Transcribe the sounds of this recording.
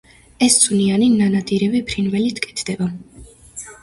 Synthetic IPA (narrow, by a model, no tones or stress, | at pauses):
ɛst̪sʼʰunianinanad̪iɾɛvipʰɾinvɛlit̪ʰkʼɛ̥t̪ʰd̪̥ɛba